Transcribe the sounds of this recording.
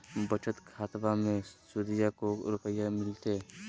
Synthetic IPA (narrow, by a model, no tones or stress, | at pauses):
bət͡ʃət̪kʰaːt̪bamẽsuːd̪ɪjakoɾʊpəjːamɪlt̪e